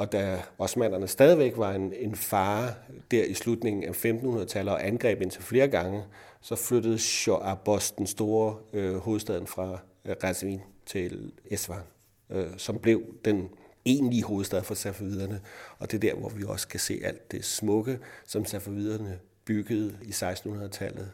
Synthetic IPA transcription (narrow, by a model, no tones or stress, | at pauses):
ɒ̽d̥æɒ̽smæn̰ɐnəsd̥ɛːð̞ˠiʋeɡ̥ʋɑ̈ene̝nfɑ̈ːd̥æɐ̰islud̥ne̝ŋn̩æfemd̥n̩hunɐðˠt͡sʰæləɒ̽ʔænɡ̥ʁɛ̰ːb̥e̝n̰t͡sʰe̝lfle̝ːɐɡ̥ɑ̈ŋə | sɒ̽fløɾ̥əð̞̩ˠɕɒʔæb̥ɒsd̥ensd̥o̝ːɐho̝ːð̞̩ˠsd̥ɛð̞̰ˠn̩fʁɑ̈ | ʁɑsʋḭnt͡sʰe̝lesʋɑ̈n | sɒ̽mb̥le̝ʊd̥ene̝̰ːnliəɦo̝ːð̞̩ˠsd̥ɛð̞ˠfɑsæfoʋiðˠɐnəɒ̽d̥e̝d̥æɐ̰ʋɒʋiɒ̽sə̥kʰæsḛːæl̰d̥ːe̝smɔ̽ɡ̥əsɒ̽msæfæʋið̰ˠɐnə | b̥yɡ̥əð̞̩ˠisɑ̈ɪsd̥n̩hunɐðˠt͡sʰælð̩ˠ